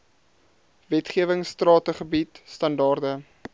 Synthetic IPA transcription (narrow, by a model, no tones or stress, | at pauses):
vɛtχiəvəŋstrɑːtəχəbitstɐndɑːrdə